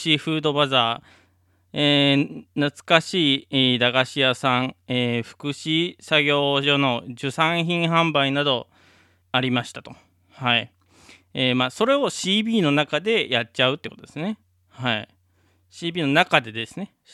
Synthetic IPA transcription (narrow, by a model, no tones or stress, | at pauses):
iɸɯ̟ːd̪o̞bazaː | eːnat͡sɨ̥kaɕiːd̪aɡaɕiasãŋeːɸɯ̥kɯ̟ɕisaɡʲo̞ːʑo̞no̞ʑɨsãɰ̃çĩɰ̃ɦãmbainad̪o̞ | aɾʲimaɕi̥t̪ḁt̪o̞ | hai | eːmaːso̞ɾe̞o̞ɕiːbʲiːno̞nakad̪e̞jatt͡ɕaɯ̟t̪ːeko̞t̪od̪esne̞ | hai | ɕiːbʲiːno̞nakad̪e̞d̪e̞sɨne̞